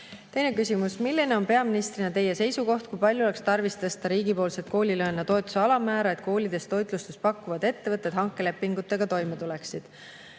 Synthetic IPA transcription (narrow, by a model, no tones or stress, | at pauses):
t̪e̞jne̞kysʲimusmilʲːine̞o̞npe̞ɑminist̪rinɑt̪e̞jːe̞se̞jsuko̞ht̪̚kujpɑlʲjuole̞kst̪ɑrvist̪ɤst̪ɑɾiːɡipo̞ːlse̞t̪̚ko̞ːlʲilø̞enːɑt̪o̞e̞t̪ːˑu̥se̞ɑlɑmæːɾɑe̞t̪̚ko̞ːlʲid̪̥e̞st̪o̞jt̪ˑlust̪espɑkːˑuvɑd̪e̞t̪ːe̞vɤt̪ːˑet̪hɑŋkːˑe̞le̞pːiŋɡ̥ut̪ːˑe̞ɡ̥ɑt̪o̞jmet̪ule̞ksid̪̥